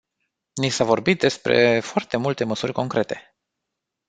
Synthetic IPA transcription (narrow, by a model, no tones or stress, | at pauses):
nisavo̞rbit̪̚d̪e̞spɾe̞foart̪e̞mult̪e̞məsurʲko̞ŋkɾe̞t̪e̞